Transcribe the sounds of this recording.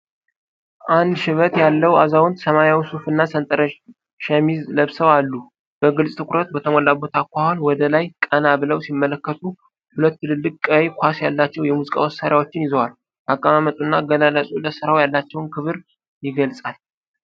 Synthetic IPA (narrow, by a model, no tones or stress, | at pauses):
ʔand̪ʃɪβət̪jalːəwa̰zawʊnd̪səmajawsufɨnːasənt̪ʼəɾə | ʃəmizləβsəwalːu | b̥əɡɨlsʼt̪ʰɨkʰʼɾət̪bət̪ʰəmɔlːabo̞t̪ʰakʷahonwɔd̪əlajkʼənabɨləwsimːələkːət̪ʰu | hulət̪ːɨlɨlːɨkʼɔjkʷʰasjalːat͡ʃːɛwjɛmuzikʼa̰wɔsːaɾjawo̞t͡ʃːɪnjɪzəwal | bakʼamamət̪ʼunːaɡəlaləsʼuləsɨɾawjalːat͡ʃːɛwnkʰɨβɨɾ | jɪɡəlsʼal